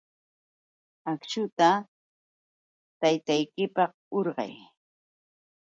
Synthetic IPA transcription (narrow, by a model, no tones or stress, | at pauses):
akʃʊt̪a | t̪ajt̪ajkɪpɑq | oɾɢɑ̰j